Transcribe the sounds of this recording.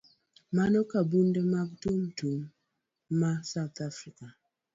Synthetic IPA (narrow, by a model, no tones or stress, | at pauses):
manɔkabundemaɡtumtumː | asawt̪afɾika